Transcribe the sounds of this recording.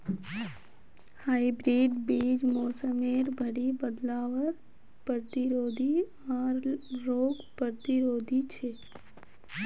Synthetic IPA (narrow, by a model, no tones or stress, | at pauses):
haibɾiɖbid͡ʒmoːsəmeɾbʱəɽibəd̪laʋəɾ | pɾət̪iɾoːd̪ʱi | aɾːoɡpɾət̪iɾoːd̪ʱit͡ʃʰe